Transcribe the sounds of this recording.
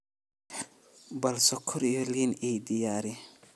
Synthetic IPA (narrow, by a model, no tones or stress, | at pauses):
bɐlsɔkʰːʊɾijɔliːnid̪ɪjaːɾɪ